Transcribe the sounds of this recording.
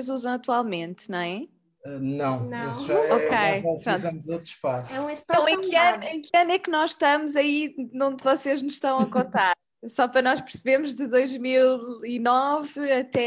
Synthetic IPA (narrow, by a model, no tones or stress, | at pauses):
zuzɐ̃w̃ɐt̪walˠmẽnt̪nɐ̃w̃ɛ | ɛnɐ̃w̃nɐ̃isʒaokejɐpɾɾõnɐmuzot̪ɾuʃpasɛũesp̪ɐ̃w̃ẽkɐnẽkɐnɛknɔzʃt̪ɐmuzɐinõd̪vɔseʒnuzʃt̪ɐ̃w̃ɐkõnt̪aɾ | sɔpɾɐnɔʃpɨɾsɨβeɾmuʒðɨðojʒmilˠinɔvɨɐt̪ɛ